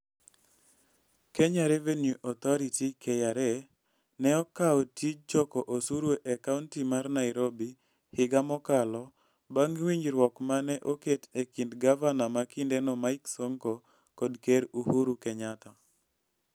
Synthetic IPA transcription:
keɲaɾevenjuʔɔt̪ɔɾitikʰejaɾɛ | nɛɔkaɔtid͡ʒɔkɔʔosuɾweʔakauntimarnaɪɾobi | hɪɡamɔkalɔ | baŋwiɲd͡ʒɾwɔkmanɛʔoketekindɡavanamakɪndɛnɔmaɪksoŋko | kɔdkeɾuhuɾukɛɲat̪a

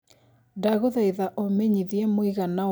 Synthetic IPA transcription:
daɣoðaiðaʔomeɲiðiɛmoiɣana

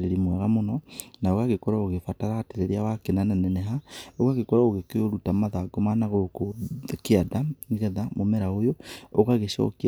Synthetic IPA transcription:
ɾeɾimwaɣamonɔnaoɣaɣekɔɾaoɣefataɾateɾeɾeawakenananɛnɛɦaoɣaɣekɔɾaoɣekeoɾutamaðaɡomanaɣokokeadaŋiɣɛðamomɛɾaojooɣaɣeʃɔ̰ki

